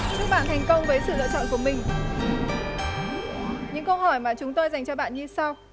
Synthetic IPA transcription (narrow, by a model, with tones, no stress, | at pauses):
t͡ɕɨ˦˥k̚ɓaː˧˨nt̪ʰɛ˨˩jŋ̟kə˧wŋ͡mvəː˨˦jsɨ̰˧˨lə̰˧˨t͡ɕɔ̰˧˨nk̬u˧˩mï˨˩ŋ̟˧ | ɲɨ̰˧˥ŋkə˧whɔ˧˩jmaː˨˩t͡ɕʊ˨˦ŋ͡mt̪o˧jza˨˩jŋ̟t͡ɕɔ˧ɓa̰ː˧˨nɲɨ˧sa˧w